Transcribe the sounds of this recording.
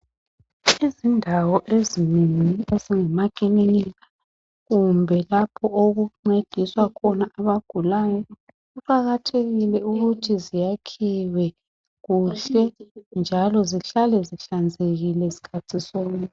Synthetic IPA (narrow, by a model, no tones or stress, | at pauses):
izindʱawɔʔezineŋieziŋɛmakʼininiɣḁ | ɣumbʱɛlapʰɔʔoɣuŋ͡ǀed̥ʱiswakʰɔnaʔaβaɡ̥ʱulajɔ | upaɣatʰeɣilɛuɣutʰizijakʰiwɛ | ɣuɬɛnd͡ʒʱalɔziɬalɛziɬand͡zʱeɣilɛsi̥kʰatʰisoːŋ